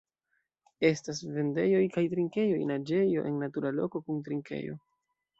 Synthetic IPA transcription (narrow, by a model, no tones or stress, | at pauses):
e̞stasve̞nde̞jo̞jkajtɾiŋke̞jo̞jnad͡ʒe̞jo̞̰ʔe̞nːatuɾalo̞̰ko̞kuntɾiŋke̞̰jo̞̰